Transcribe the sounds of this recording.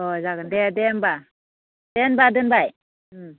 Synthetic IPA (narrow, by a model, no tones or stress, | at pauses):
ɔzakandɛdɛnba | d̥ɛnbadɯnbaj